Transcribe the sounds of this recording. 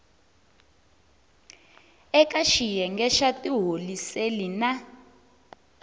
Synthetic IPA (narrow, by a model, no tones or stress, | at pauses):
ɛkaʃijɛŋɡɛʃatʼiɦoliselina